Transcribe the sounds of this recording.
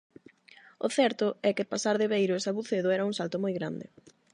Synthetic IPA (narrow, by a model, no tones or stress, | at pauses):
ʊ̰θɛɾt̪ʊɛkɪpasaɾðɪβejɾʊesaβuθeðʊɛɾɐuŋsalt̪ʊmojɣɾa̰nd̪ɪ̰